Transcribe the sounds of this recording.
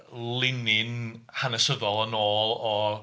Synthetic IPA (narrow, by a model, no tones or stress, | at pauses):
lˠɪnɪnhanəsəðɔlˠənoːlˠɔ